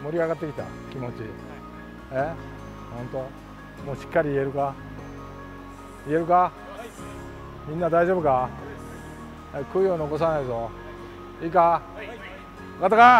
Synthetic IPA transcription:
moɾʲiaɣat̪ːe̞kʲi̥t̪a̰ | kʲimo̞t͡ɕi | e | hõnt̪o | moːɕi̥kːaɾʲiie̞ɾɯ̟ka | ie̞ɾɯ̟ka | mʲĩnːad̪aiʑo̞bɯka | ekɯijoːnioko̞s̬anaizo | ika | kat̪ːaka

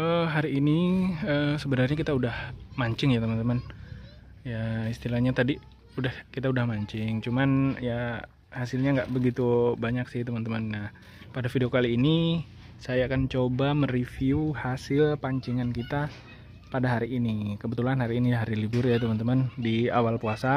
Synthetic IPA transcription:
əɦaɾiːniəsəbənarɲakit̪audahmaɲt͡ʃɪŋjat̪əmant̪əman | jaist̪ilahɲat̪adi | udahkit̪audahmaɲt͡ʃɪŋt͡ʃumanja | hasɪlɲaŋɡaʔbəɡit̪ubaɲaksɪht̪əmant̪əmanah | padafideokaliːni | sajaːkant͡ʃobamərifiuhasɪlpaɲt͡ʃiŋankit̪a | padaɦaɾiʔːnikəbət̪ulanhaɾiːniɦaɾilibʊrjat̪əmant̪əmandiawalpuasa

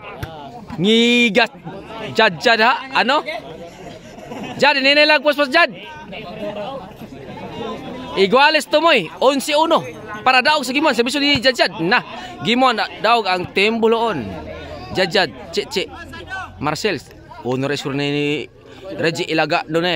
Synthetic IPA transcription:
ŋiɡasd͡ʒad̚d͡ʒadhaʔano | d͡ʒadnenelaɡ̚pospasd͡ʒad̚ | iɡwalɛst̪omojonsiuno | paɾadaʊɡ̚s̬aɡimuans̬abis̬odid͡ʒad͡ʒad̚naɡimuanadauɡaŋt̪ɛmboloʔon | d͡ʒad͡ʒad̪̚t͡ʃɛʔt͡ʃɛʔmarsɛls | unoɾesuɾne | ɾed͡ʒiʔilaɡaʔnone

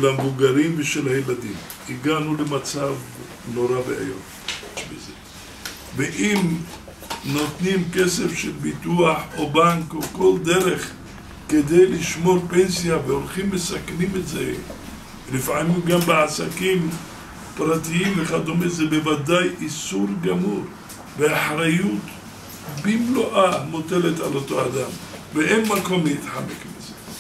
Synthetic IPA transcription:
lamevuɡaɾimveʃelajelad̪im | iɡanulemat͡sav | no̞ɾabḛa̰jo̰t | bḛze | veʔim | no̞t̪nimkesefʃelbit̪uaħobaŋkoko̞ld̪eɾeχ | ked̪ejliʃmo̞ɾpensijaveolχimːesaknimetze | lifʕamimɡambeʕasakim | pɾat̪iimveχad̪omezebevad̪ajʔisuɾɡamuɾ | veaħɾajut̪ | bimloʔamot̪e̞le̞t̪ʕa̰lo̞t̪o̞ad̪amveenmako̞mlejit̪ħamekmize

